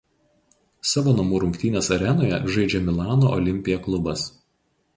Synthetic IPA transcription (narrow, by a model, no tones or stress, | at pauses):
sɑːʋoːnɐmuːɾʊŋʲkt̪ʲiːnʲeːsɐɾʲɛnoːjɛʒɐɪd͡ʒʲɛmʲɪlˠɑːnoʔɔlʲɪmʲpʲɪjɛklˠʊbɐs